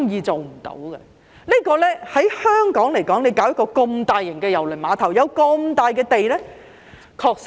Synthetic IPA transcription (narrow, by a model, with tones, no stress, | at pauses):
ŋjiː˨˧t͡so˨wm̩˨˩t̪o̰˨˥wɡɛ̰˧ | niː˥kɔː˧lɛː˥hɐ˨˥jhœː˥ŋkɔː˨˥ŋle˨˩jkɔː˨˥ŋle˨˧jkaː˨˥wjɐ˥kːɔː˧kʊ˧ŋt̪aː˨˧jːɪ˨˩ŋkɛː˧jɐ˨˩wlɵ˨˩jmaː˨˧t̪ʰɐ˨˩wjɐ˨˧wkoɔ˧mt̪aː˨˧jkɛː˧t̪e˨jlɛː˥ | kʰɔː˧k̚s